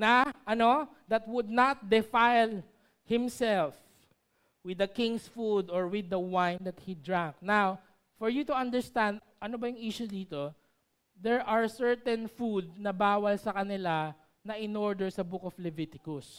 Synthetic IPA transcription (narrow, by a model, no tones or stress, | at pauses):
nɐʔɐno | d̪ɐt̪̚wʊd̪̚nat̪̚d̪ɪfajl | hɪ̃msɛlf | wɪd̪ɐkɪ̃ŋsfud̪ɔɹwɪd̪ɐwãjnd̪ɐt̪̚hid̪ɹãŋk̚naw | fɔɹjut̪uɐnd̪ɛɹst̪ãnd̪ | ʔɐnobɐjʊŋʔiʃʊd̪iːt̪o | d̪ɛɹʔaɹsɛɹt̪ɛ̃nfud̪̚nɐbaːwɐlsɐkɐnɪla | nɐʔɪnɔɹd̪ɛɹsɐbʊkɔflɛvɪt̪ɪkʊs